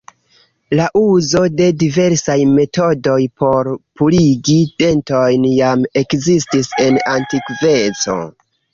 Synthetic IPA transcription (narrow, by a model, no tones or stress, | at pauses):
laʔuzo̞de̞dive̞ɾsajme̞to̞do̞jpo̞ɾpuliɡide̞ntojnjame̞kzistise̞nantikve̞t͡so̞̰